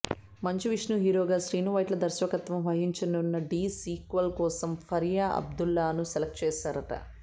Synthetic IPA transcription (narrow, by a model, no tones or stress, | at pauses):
mɐɲt͡ʃiʋiʂnuɦiːɾoːɡaːʃɾiːnuʋɐjʈlɐd̪ɐɾʃʋɐkɐt̪ʋɐmʋɐɦiɲt͡ʃɐnunːɐɖiːsiːkʋɐlkɔːsɐmfʰɐɾjaːʔɐ̰b̚d̪ulːaːnuseɛlɐk̚ʈt͡ʃɛːʃaːɾɐʈɐ̰